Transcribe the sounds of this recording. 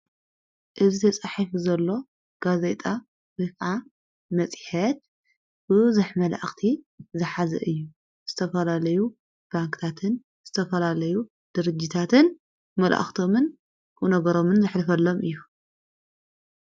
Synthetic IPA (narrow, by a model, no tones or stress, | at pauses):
ʔɨzit̪ʰɐt͡sʼaħifzɐlːo̞ | ɡ̥azet̪ʼa | bɨkʕa | mɐt͡sʼħɐt̪ | b̥ɨzɨħmɐla̰ʔxt̪ʰi | zɨħazɐ̰ʔɨjːu | z̥ɨt̪ʰɐfɐlalɐju | b̥aŋkt̪ʰat̪ʰɨn | z̥ɨt̪ʰɐfɐlalɐju | d̪̥ɨɾɨd͡ʒːit̪ʰat̪ʰɨn | mɐlʔa̰ʔxt̪ʰo̞mɨn | kunɐɡɐɾo̞mɨnzɨħlɨfɐlːo̞mʔɨjːu